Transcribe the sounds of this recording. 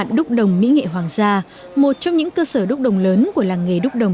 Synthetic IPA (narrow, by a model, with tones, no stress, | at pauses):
nɗʊ˦˥k͡p̚ɗə˨˩wŋ͡mmḭ˧˥ŋḛ˧˨ɦwaː˨˩ŋzaː˧ | mo˨˩t̚t͡ɕɔ˧ŋ͡mɲɨ̰˧˥ŋkəː˧səː˧˩ɗʊ˦˥k͡p̚ɗə˨˩wŋ͡mləː˨˦nku˧˩əlaː˨˩ŋŋːe˨˩ɗʊ˦˥k͡p̚ɗə˨˩wŋ͡m